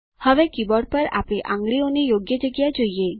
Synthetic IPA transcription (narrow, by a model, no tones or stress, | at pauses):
hɔbekibɔɽpaɾa̰piʔa̰ŋɡɽionijoɡjed͡ʑeɡijad͡ʑoje